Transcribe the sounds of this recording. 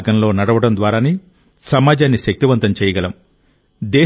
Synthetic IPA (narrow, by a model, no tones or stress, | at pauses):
ɡɐnlo̞ːnɐɽɐʋɐɽɐnd̪ʋaːɾaːni | sɐmaːd͡ʒaːnːiʃɐk̚t̪iʋɐnt̪ɐmt͡ʃɛːjɐɡɐlɐm | d̪ɛː